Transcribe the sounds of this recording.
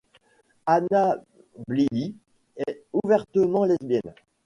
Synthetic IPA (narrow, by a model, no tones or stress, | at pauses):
ana | blili | ɛuvɛʁt̪əmɑ̃lɛzbjɛn